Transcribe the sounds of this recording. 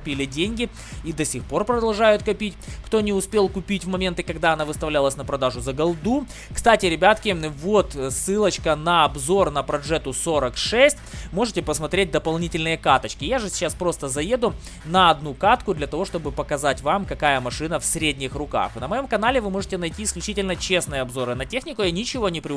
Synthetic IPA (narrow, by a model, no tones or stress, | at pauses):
pʲilʲɪdʲenʲɡʲɪ | id̪ɐsʲixpo̞rpɾəd̪ɐlˠʐajʊt̪kɐpʲitʲkt̪o̞nʲɪʊspʲe̞lˠkʊpʲitʲvmɐmʲe̞nt̪ɨkɐɡd̪aɐnavɨst̪ɐvlʲalˠəsʲnəpɾɐd̪aʐʊzəɡɐlˠd̪u | kst̪atʲɪɾʲɪbʲat̪kʲɪvo̞t̪sɨlˠət͡ɕkənɐɐbzo̞rnəpɾɐʐɛt̪ʊso̞ɾəkʂɛsʲtʲmo̞ʐɨtʲɪpəsmɐt̪ɾʲet̚ʲd̪əpɐlˠnʲitʲɪlʲnɨjəkat̪ət͡ɕkʲɪjaʐɨsʲɪ̥t͡ɕaspɾo̞st̪əzɐje̞d̪ʊ | nɐɐd̪nukat̪kʊd̪lʲɐt̪ɐvo̞ʂt̪o̞bɨpəkɐzatʲvamkɐkajəmɐʂɨnəfsʲɾʲedʲnʲɪxrʊka̰xnəmɐjo̞mkɐn̪alʲɪvɨmo̞ʐɨtʲɪnɐjtʲiːsklʲʉt͡ɕitʲɪlʲnət͡ɕe̞snɨjəɐbzo̞ɾɨnɐtʲexnʲɪkʊjanʲɪt͡ɕɪvo̞nʲɪpɾʲɪ